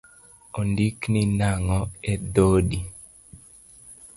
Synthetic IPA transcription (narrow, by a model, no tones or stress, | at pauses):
ondikninaŋɔɛdodi